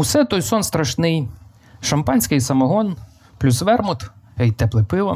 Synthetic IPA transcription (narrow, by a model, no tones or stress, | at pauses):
wsɛt̪ɔjsɔnst̪ɾɐʃnɪj | ʃɐmpɑnʲsʲkɪjsɐmɐɦɔn | plʲusʋɛrmʊt̪ɛjt̪ɛplˠɪpɪʋɐ